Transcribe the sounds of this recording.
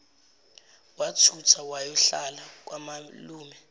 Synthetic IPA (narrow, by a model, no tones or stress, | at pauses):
wat͡sʰut͡sʰawajɔɬalak̬wʔamaluːmɛ